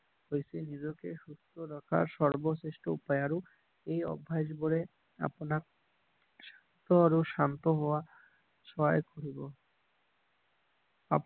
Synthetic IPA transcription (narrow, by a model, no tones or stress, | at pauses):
ɦojseniɾokeʃust̪ʰoɾɔkʰa̰ɾʃɔɾboseʃʈoupajaɾu | ejɔ̰bʱːad͡ʒboɾe | a̰ponak̚ | ʃant̪oaɾuʃant̪oɦɔoa | ʃɔa̰jkʰoɾibo | a̰p